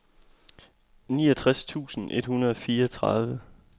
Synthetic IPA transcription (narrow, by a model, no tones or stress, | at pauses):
nḭːɒt͡sʰʁast͡sʰṵːsn̩ʔe̝d̥hunɐð̞ˠɒ̽fiːɐɒt͡sʰʁɑðˠʋə